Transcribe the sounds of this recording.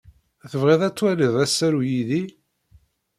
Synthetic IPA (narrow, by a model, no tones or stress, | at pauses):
θəvʁeðˤæt͡sːwæliðˤæsːæɾujiði